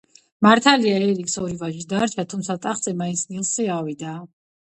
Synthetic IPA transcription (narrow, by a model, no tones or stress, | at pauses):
maɾt̪ʰaliaɛɾiksɔɾivaʒisd̪aɾt͡ʃʰat̪ʰumt̪sʰat̪ʼaχt̪sʼɛmainsʰnilˠsɛavid̪a